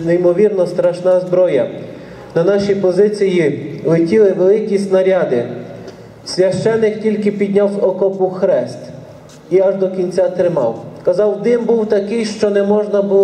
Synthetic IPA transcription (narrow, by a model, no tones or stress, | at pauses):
nejmɔʋʲirnɔst̪ɾɐʃnɑzbɾɔjɐ | nɐnɑʃʲijpɔzɪt͡sʲijilˠɪtʲilˠɪʋelˠɪkʲisʲtʲnɐɾʲɑd̪ɪ | sʲʋʲjɐʃt͡ʃɛnːɪktʲilʲkɪpʲid̪ʲnʲawsɔkɔpʊxɾɛst̪ | iɐʒd̪ɔkʲinʲt͡sʲat̪ɾɪmɑ̰wkɐzɑwd̪ɪmbuwt̪ɐkɪjʃt͡ʃɔnɛmɔʒnɐbʊ